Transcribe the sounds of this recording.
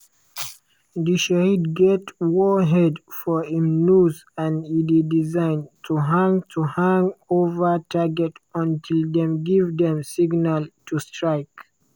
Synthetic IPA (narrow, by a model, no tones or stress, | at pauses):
diʃahidɡɛtwɔɦɛdfɔĩmnuz | ãnididizãɪ̃ntʰuɦãŋtʰuhãŋovətʰaɡɛtɔ̃ntʰildɛ̃mɡivd̪ɛ̃msiɡnaltʰustɹaɪk